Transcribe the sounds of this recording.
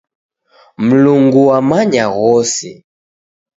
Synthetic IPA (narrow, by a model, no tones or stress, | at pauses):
m̩luŋɡuwamaɲaɣɔsi